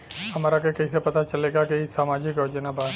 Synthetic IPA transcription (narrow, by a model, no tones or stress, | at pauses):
hɐmaːɾakekɛis̬epɐt̪at͡ʃɐleːɡakisaːmaːd͡ʒɪkjoːd͡ʒənabaː